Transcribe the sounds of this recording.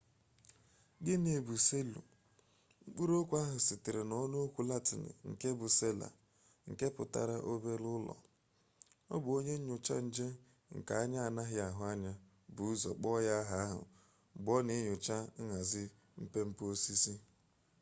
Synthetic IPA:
ɡɪ˦ne˨bu˨se˦lṵ˨ | ŋ͡m̩˦k͡pu˦ɾo˦kʷa˦ɦʊ˨sɪ˨tɪ˨ɾe˨nɔ˦no˦kʷu˦la˦tɪ˨nɪ̰˨ŋ̩˨ke˦bʊ˨se˦la̰˨ | ŋ̩˨ke˦pʊ˨ta̰˨ɾa˦ʔo˦be˦ɾʊ˦lɔ̰˨ | ɔ̰˦bʊ˨o˦ɲe˦ɲ̩˦ɲʊ˨t͡ʃa̰˦n̩˦d͡ʒe˦ | ŋ̩˨ka˨a˦ɲa˦a˨na˦ɦɪ˦a˨ɦʊ˨a˦ɲa˦ | bʊ˨˦zɔ̰˨k͡pɔ˦ja˦ɦa˨a˦ɦʊ̰˨ | ɡ͡bɔ˦ne˦ɲʊ˨t͡ʃa˦ŋa˨zɪ˦ | m̩˦pe˦m̩˦po˦si˦si˦

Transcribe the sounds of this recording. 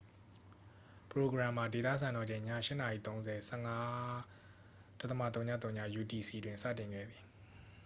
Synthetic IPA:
pəɹo˨ɡɹã˨m̥ːa˨de˨t̪ä̰˦˨s̬ʰã˨nɔ˨d͡ʑẽ˨ɪ̃ɲa̰˦˨ʃɪ˦˨na˨jḭ˦˨t̪õ˦ʊ̃nzɛ˨sɛ˦˨ŋa˦ | d̥a˦ʔt̪əma̰˦˨t̪õ˦ʊ̃ɲa̰˦˨t̪̬ːõ˦ʊɲä̰˦˨ju˨ti˨si˨dwɪ̃˨nsa̰˦˨tɪ̃˨ŋɡɛ̰˦˨d̪ði˨

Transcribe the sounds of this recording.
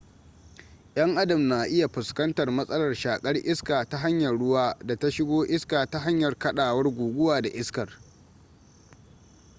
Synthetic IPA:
j̰ɐ˦ŋʔa˦dɐ˨mna˨ʔɪ˦ja˨ɸʊ˨skɐ˦ntɐ˨rmɐ˦sʼɐ˦lɐ˨rʃaː˨kʼɐ˦rʔɪ˦skaː˨ta˦ɦa˦ɲjɐ˨rɽʊ˦waː˦da˨ta˦ʃɪ˦ɡʷoː˦ʔɪ˦skaː˨ta˦ɦa˦ɲjɐ˨rkɐ˦ɗaː˨wɐ˦rɡʷuː˨ɡʷʊ˦waː˨da˨ʔɪ˦skɐ˨r

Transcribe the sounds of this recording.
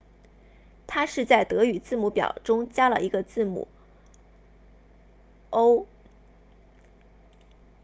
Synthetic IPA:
t̪ʰa˥ʂɻ̩˥˧t͡sa˥˩ɪt̪ɤ˧˥y˨˩t͡sɹ̩˥˩mu˧˥pjɑ̰˨˩ʊʈ͡ʂʊ˥ŋt͡ɕja˥lə̰˨ʔi˧˥ɡə˧t͡sɹ̩˥˩mṵ˨˩˦ | o˥ʊ

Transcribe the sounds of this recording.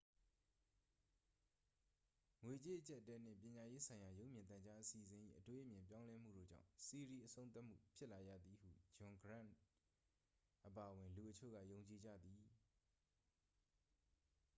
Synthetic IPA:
ŋwe˨t͡ɕe˦ʔət͡ɕɛ˦ʔtːɛ˦n̥ɪ̰̃˦˨pjɪ̃˨ɲa˨je˦sʰã˨ɪ̃ja˨jo˦ʊʔmjɪ̃˨nt̪ã˨ɲd͡ʑa˦ʔəsi˨əzɪ̃˨ʔḭ˦˨ʔətwe˦ʔə˦mjɪ̃˨mpjã˦ʊ̃lɛ˦m̥ṵ˦˨ɾo̰˦˨d͡ʑã̰˦˨ʊ̃si˨ɾi˨ʔəsõ˦ʊ̃nt̪a˦ʔm̥ṵ˦˨pʰjɪ˦ʔla˨jä̰˦˨d̪i˨hṵ˦˨d͡ʑʊ̃˨ŋɡɹã̰˦˨ | ʔəpa˨ʔəwɪ̃˨nlu˨ʔət͡ɕʰo̰˦˨ɣä̰˦˨jõ˨ʊ̃ɲt͡ɕi˨d͡ʑä̰˦˨d̪i˨

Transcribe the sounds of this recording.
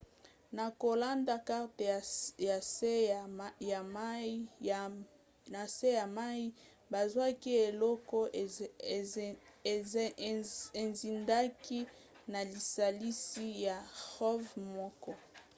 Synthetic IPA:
na˨ko˨la˦nda˨ka˦ʁte˨ja˨se˦ja˨m˦ | na˨se˦ja˨ma˦i˦ | ba˨zwa˦ki˦e˨lɔ˦kɔ˦˨˦ | e˨nzi˨nda˦ki˦ | na˨li˨sa˨li˦si˦ja˨ʁɔ˦vmɔ˦kɔ˦

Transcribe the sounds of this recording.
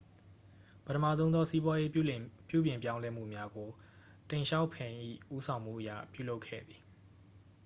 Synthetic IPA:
pətʰəma̰˦˨zõ˦ʊ̃nðɔ˦si˦bwa˦je˦pjṵ˦˨bjɪ̃˨mp̬jã˦ʊ̃lɛ˦m̥ṵ˦˨mja˦ɡo˨ | tẽ˨ʃa˦ʊpʰɪ̃˨ʔḭ˦˨ʔu˦sʰã˨ʊ̃m̥ṵ˦˨ʔəjä̰˦˨pjṵ˦˨lo˦ʊkʰːɛ̰˦˨d̪ði˨

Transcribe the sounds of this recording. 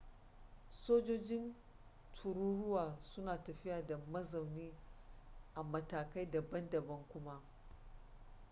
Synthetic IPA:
soː˦d͡ʒoː˦d͡ʒɪ˦n | tʰu˨ɾuː˦ɽʊ˦waː˨sʊ˦naː˨tɐ˨ɸɪ˦jaː˨da˨mɐ˦za˨wniː˦ | ʔa˨mɐ˦taː˨ka˦jda˨bɐ˦ndɐ˨bɐ˦ŋkʷʊ˦ma˦

